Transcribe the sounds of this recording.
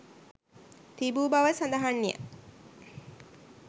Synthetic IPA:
t̪ibuːbaʋəsand̪aɦanːija̰

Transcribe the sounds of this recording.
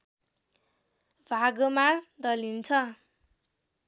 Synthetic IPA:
bʱaɡomad̪ʌlint͡sʰʌ

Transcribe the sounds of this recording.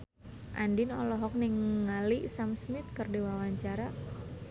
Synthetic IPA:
ʔandinɔlɔɦɔk̚nɪŋəŋaliisamsmɪt̪̚kərdewawaɲt͡ʃaɾa

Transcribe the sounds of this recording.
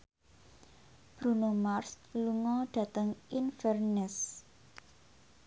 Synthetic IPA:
b̥ɾunomars | luŋɔɖ̥ä̤t̪əŋinfɛrnɛs

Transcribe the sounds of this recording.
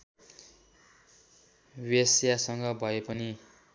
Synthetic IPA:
wesjasʌŋɡʌbʱʌepʌni

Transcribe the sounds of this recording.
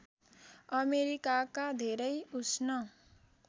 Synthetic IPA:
ʌmeɾikakad̪ʱeɾʌjusnʌ

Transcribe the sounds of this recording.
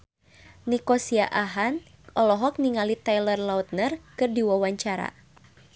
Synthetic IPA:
nikɔsiaʔaɦan | ʔɔlɔɦɔk̚niŋalit̪ajlərlaut̪̚nərkɨrdiwawaɲt͡ʃaɾa̰

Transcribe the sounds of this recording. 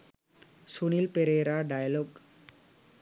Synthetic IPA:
sunilpeɾeːɾaːɖajɐloːɡ

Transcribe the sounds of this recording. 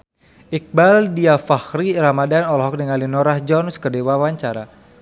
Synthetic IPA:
ik̚baldiafahriɾamadanɔlɔɦɔk̚nəŋalinɔɾahd͡ʒɔnskədewawaɲt͡ʃaɾa

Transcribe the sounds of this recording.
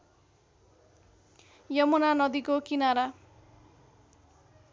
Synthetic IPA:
jʌmʌnanʌd̪ikokinaɾa

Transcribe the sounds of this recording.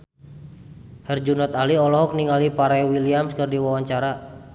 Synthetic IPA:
hərd͡ʒunɔt̪aliɔlɔɦɔk̚niŋalipaɾawiliamskərdiwawaɲt͡ʃaɾa

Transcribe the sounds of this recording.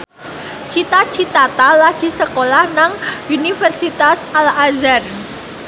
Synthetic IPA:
t͡ʃit̪at͡ʃit̪at̪alaɡ̥i̤səkolahnaŋunifərsit̪asalazan

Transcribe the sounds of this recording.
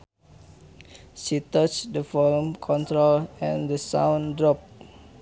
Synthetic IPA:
ʃit̪ət͡ʃdəfɔlmkʰɔ̃nt̪ɾolɛ̃ndəsã̰wndɹɔp̚

